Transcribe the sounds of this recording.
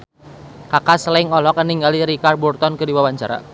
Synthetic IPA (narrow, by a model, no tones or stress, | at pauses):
kakaslaiŋɔlɔkəniŋɡaliɾikar̚burt̪ɔnkɨdiwawaɲt͡ʃa̰ɾa̰